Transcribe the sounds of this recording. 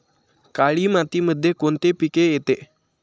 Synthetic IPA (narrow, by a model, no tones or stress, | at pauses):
kaɭiːmat̪iːməd̪ʱːjekoɳt̪epikejet̪e